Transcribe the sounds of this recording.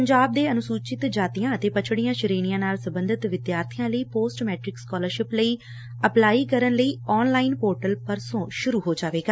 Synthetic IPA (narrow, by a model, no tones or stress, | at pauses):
pəɲd͡ʒaːb̚d̪eːənʊsuːt͡ʃɪt̪d͡ʒaːt̪ijãːət̪eːpət͡ʃʰɽijãːʃəɾeːñijãːnaːlsəbə̃nd̪ʱɪt̪ʋɪd̪jaːɾt̪ʰɪjãːləiːpoːsʈmɛːʈɾɪkskɔːləɾʃɪpləiː | əplaːiːkəɾənləiːɔːnlaːɪnpoːɾʈəlpəɾsõːʃʊɾuːɦoːd͡ʒaːʋeːɡaː